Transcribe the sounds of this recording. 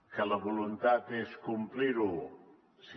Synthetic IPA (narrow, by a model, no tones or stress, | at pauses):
kələβulunt̪at̪eskumpliɾu | s